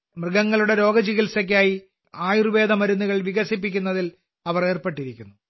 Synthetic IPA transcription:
mrɨɡɐŋːɐɭuɽe̞ɾo̞ːɡɐd͡ʑiɣilsɐk̬ʲːaːji | aːjiruʋe̞ːd̪ɐmɐɾunːuɣɐɭʋiɣɐsipːikʲːunːɐðil | ɐʋɐre̞ːrpeʈːiɾikʲːunːu

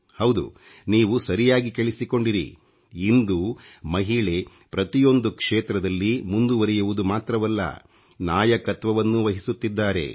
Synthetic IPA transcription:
hɐwd̪ṵ | niːʋusɐɾijaːɡikeɭisiko̞ɳɖiɾḭː | nd̪umɐɦiɭe̞ | pɾɐt̪ijo̞nd̪ukʂeːt̪ɾɐd̪ɐlːimund̪uʋɐɾɛjuʋud̪umaːt̪ɾɐʋɐlːɐ̰ | naːjɐkɐt̪ʋɐʋɐnːuʋɐɦisut̪ːid̪ːaːɾe̞̰

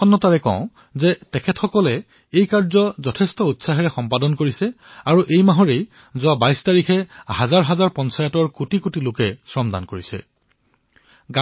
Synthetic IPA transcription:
ɔnːɔtaɹɛkɔ̰̃ʊ̃ | zɛtɛkʰɛtxɔkɔlɛ | ejkaɹzɔzɔtʰɛstɔutsaɦɛɹɛxɔmpadɔnkoɹisɛ | aɹuʔejmaɦɔɹej | zʊabajstaɹikʰɛhazaɹɦazaɹpɔnsajatɔɹkutikutilokɛsɹɔmd̪a̰nkoɹisɛ̰ | ɡa

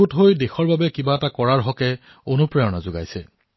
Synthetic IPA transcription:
utɦojdexɔɹbabɛkibaɛtakɔɹaɹɦɔkɛ | onupɹɛjɔna̰zoɡa̰jsɛ

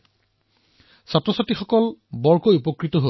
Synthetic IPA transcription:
satɹɔsatixɔkɔlbɔɹkojupɔkɹitɔɦo

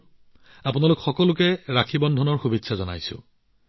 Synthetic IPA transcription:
apunalʊkxɔkɔlʊkɛɹakʰibɔndʱɔnɔɹxubitːsazɔna̰jsʊ̰̃

